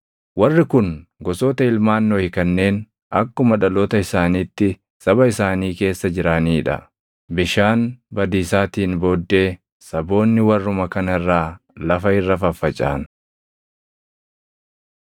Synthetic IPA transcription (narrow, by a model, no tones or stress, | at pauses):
wɐrːɪkʊnɡɔso̞ːt̪ɐɪlmaːnːoːhɪkɐnːe̞ːn | ɐkːʊmɐᶑɐloːt̪ɐɪsaːniːt̪ːɪ | sɐbɐɪsaːniːke̞ːsːɐd͡ʒɪɾaːniːɪᶑɐ̰ | bɪʃaːnbɐd̪iːsaːt̪iːnbo̞ːd̪ːe̞ː | sɐbo̞ːnːɪwɐrːʊmɐkɐnɐɪrːaː | lɐfɐɪrːɐfɐfːɐt͡ʃʼa̰ːn